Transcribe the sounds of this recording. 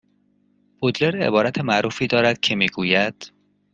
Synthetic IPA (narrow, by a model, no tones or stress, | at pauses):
b̥od̪le̞ɾḛbɒːɾæt̪ʰemæʔɾuːfiːd̪ɒːɾæd̪̥̚cʰe̞miːɡuːjæd̪̥